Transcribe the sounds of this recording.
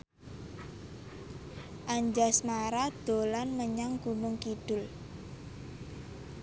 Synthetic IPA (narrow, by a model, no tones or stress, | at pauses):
ʔaɲd͡ʒasmaɾad̪̥o̤lanməɲaŋɡ̥unʊŋkiɖ̥ʊ̤l